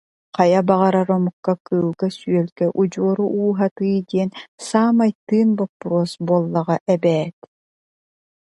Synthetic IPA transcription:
qajabaʁaɾaɾɔmukːakɯːlˠɡasyœlɡɛʔud͡ʑuɔɾuʔuːɦat̪ɯːd̪iɛnsaːmajt̪ːɯːnbɔpːɾuɔsbuɔlˠːɐʁaʔɛbɛːt̪

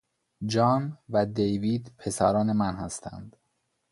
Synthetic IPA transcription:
d͡ʒɒːnvæd̪ejviːd̪pʰe̞sæ̰ɾɒːne̞mænhæst̪ʰæ̰nd̪̥

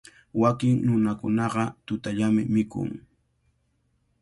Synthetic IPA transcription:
wakɪŋnʊnakʊnɑɢɑt̪ʊt̪aʎamɪmɪkʊ̰ŋ

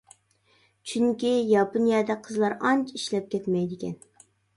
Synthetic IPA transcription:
t͡ʃʰyŋkʲijɑpɨnjɛːd̪ɛqʰəzlˠɑɾɑnt͡ʃʰiʃlɛp̚kʲɛt̪mɛjd̪ɪkʲɛ̰n

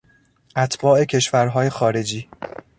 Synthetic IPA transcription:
ʔæt̪ʰbɒːe̞cʰe̞ʃvæɾɦɒːje̞xɒːɾe̞d͡ʒiː

